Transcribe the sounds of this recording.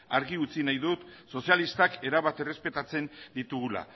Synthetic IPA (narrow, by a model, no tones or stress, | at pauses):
aɾɣiut͡sinajðut̪so̞sialist̪ake̞ɾaβat̪e̞re̞spe̞t̪at͡se̞nd̪it̪uɣula̰